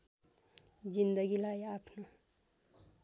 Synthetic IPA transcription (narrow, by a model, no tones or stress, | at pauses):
d͡zind̪ʌɡilajapʰno